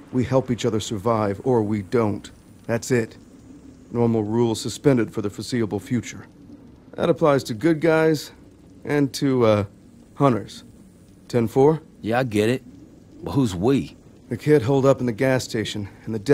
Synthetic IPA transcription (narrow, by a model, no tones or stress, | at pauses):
wihɛlˠpit͡ʃʌðə˞sə˞vaɪvə˞widõʊ̃n | ðætsɪt | nɔɹml̩ˠɹulˠz̥sɨspɛ̃ndɨd̥fə˞ðɨfəsiəbl̩ˠfjʉt͡ʃə˞ | ðɨ̰ɾəpʰl̥aɪz̥tʰɨɡʊd̚ɡaɪz | ʔɨ̃ntʰɨʌ | hʌ̃ɾ̃ə˞z̥ | tʰɛ̃nfɔɹ | jæaɪɡɛɾɪt̚ | bʌhuzwi | ðɨkʰɪd̚ɦoʊlˠdʌpn̩ðɨɡæstʰeɪʃɨ̃nɨ̃n̩ðɨdɛ